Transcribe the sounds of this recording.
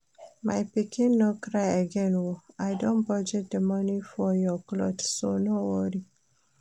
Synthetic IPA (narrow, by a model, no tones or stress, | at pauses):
majpikĩnːokɾajəɡɛ̃nwoajdõnpɔd͡ʒɛt̚d̪əmʌnifɔjɔklɔ̰dsonowɔɾi